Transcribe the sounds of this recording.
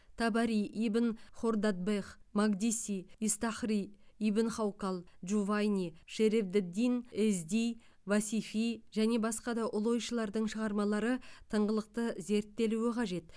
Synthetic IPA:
t̪ʰɑbɑɾiibɪnχo̞rd̪ad̪̚beχmaɡd̪ʲisʲiist̪ɑχriibɪnχawkalˠʒuvajnʲiʃeɾevd̪ɪd̪ːinɪzd̪ij | vasifijʒæne̞bɑsqɑd̪ɑʔʊlˠo̞jʃəlˠɑɾd̪əɴʃəʁɑɾmɑlˠɑɾət̪ʰəɴʁəlˠəq̚t̪əze̞ɾt̪ːe̞luɪqʰɑʒe̞t̪

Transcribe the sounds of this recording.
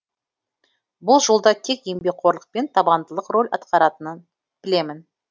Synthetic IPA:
bʊlˠʒo̞lˠd̪ɑt̪ʲʰe̞kjembe̞k̚qʰo̞ɾlˠəq̚pe̞nt̪ʰɑbɑnd̪əlˠəqro̞lʲɑ̰t̪qɑɾɑt̪ənən | b̥ɪle̞mɪn

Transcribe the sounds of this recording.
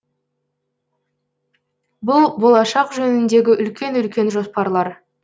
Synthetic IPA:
bʊlˠbo̞lˠɑʃɑqʒɵnɪnd̪e̞ɡʲɪʔʏlkʲe̞nʏlkʲe̞nʒo̞spɑɾlˠɑɾ

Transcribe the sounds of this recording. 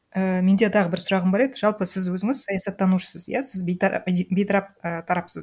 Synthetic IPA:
əme̞nd̪e̞t̪ʰɑʁəbɪɾsʊɾɑʁəmbɑɾed̪ɪʒɑlˠpəsɪzwɵzɪŋɪz̥sɑjɑsɑt̪ːɑnuʃə̥səzjasɪzbt̪bʲejt̪ʰɑɾɑp̚ət̪ʰɑɾɑpsəz

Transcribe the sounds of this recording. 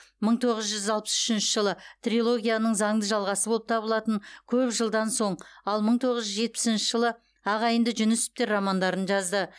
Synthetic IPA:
məɴt̪ʰo̞ʁəzʒʏzɑlˠpə̥sʏʃɪnʃəʒəlˠət̪rʲilˠo̞ɡʲijanəɴzɑɴd̪əʒɑlˠʁɑsəbo̞lˠəp̚t̪ʰɑbəlˠɑt̪əŋkʲʰɵpʒəlˠd̪ɑnso̞ɴɑlˠməɴt̪ʰo̞ʁəzʒʏzʒe̞t̪̚pɪ̥sɪnʃəʒəlˠə | ɑʁɑjənd̪əʒʏnʏsɪ̥p̚t̪eɾːɑmɑnd̪ɑɾənʒɑzd̪ə

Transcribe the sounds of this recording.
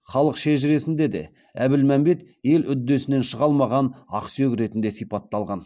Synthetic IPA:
χɑlˠəqʃeʒɪɾe̞sɪnd̪e̞d̪e̞̰ | æbɪlmæmbe̞t̪ | je̞lʏd̪ːe̞sɪne̞nʃəʁɑlˠmɑʁɑnɑ̰qsøkʲɾe̞t̪ɪnd̪e̞sijpɑt̪ːɑlˠʁɑn

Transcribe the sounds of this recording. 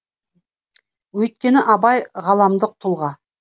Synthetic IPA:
wɵjt̪̚kʲe̞nɪʔɑbɑjʁɑlˠɑmd̪əq̚t̪ʰʊlˠʁɑ

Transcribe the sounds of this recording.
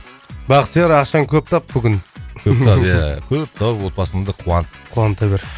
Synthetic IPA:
bɑqt̪ʰjɑɾɑqʃɑŋkʲʰɵp̚t̪ʰɑp̚bʏɡʲɪnkʰɵpt̪ʰɑpjakʲʰɵp̚t̪ʰɑpwo̞t̪̚pɑsəmd̪əqʰuwɑnqʰuɑnt̪ːɑjbeɾ

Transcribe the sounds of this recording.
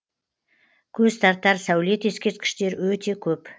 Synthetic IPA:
kʲʰɵzst̪ɑɾt̪ːɑɾsæwle̞t̪e̞skʲe̞ɾt̪̚kʲɪ̥ʃt̪e̞ɾwɵt̪e̞kʲʰɵp

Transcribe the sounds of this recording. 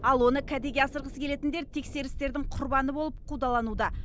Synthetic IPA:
ɑlˠwo̞nəkʲʰæd̪eɡʲeɑsəɾʁəskʲʰe̞le̞t̪ɪnd̪e̞ɾt̪ʰe̞kse̞ɾɪst̪e̞ɾd̪ɪŋɴqʰʊɾbɑnəbo̞lˠəp̚qʰud̪ɑlˠɑnud̪ɑ

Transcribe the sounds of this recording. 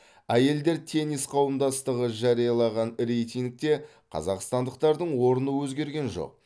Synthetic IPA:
æje̞ld̪e̞ɾt̪ʰe̞nisqʰɑwəmd̪ɑst̪əʁəʒɑɾijɑlˠɑʁɑnɾe̞jt̪ʲiŋk̚t̪e̞ | qʰɑ̰zɑqst̪ɑnd̪əq̚t̪ɑɾd̪əɴwo̞ɾənəwɵzɡʲe̞ɾɡʲe̞nʒo̞̰q̚

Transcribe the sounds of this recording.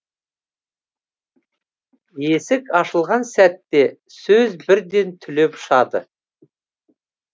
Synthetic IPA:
je̞sɪkɑʃəlˠʁɑnsæt̪ːe̞ | sɵzbɪɾd̪e̞nt̪ʰʏle̞pʊʃɑd̪ə̰

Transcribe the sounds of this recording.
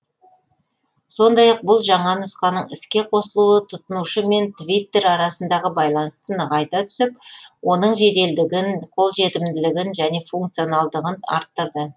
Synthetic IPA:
so̞nd̪ɑjɑq̚bʊlˠʒɑɴɑnʊsqɑnəɴɪskʲe̞qʰo̞səlˠuət̪ʰʊt̪ənuʃəme̞nt̪vijt̪ːe̞ɾɑɾɑsənd̪ɑʁəbɑjlˠɑnəst̪ənəʁɑjt̪ɑt̪ʰʏ̥sɪp̚wʔo̞nəɴʒe̞t̪e̞ld̪ɪɡʲɪnqʰo̞lˠʒe̞t̪ɪmd̪ɪlɪɡʲɪnʒæne̞fuŋkt̪sijo̞nɑlˠd̪əʁənɑ̰ɾt̪ːəɾd̪ə

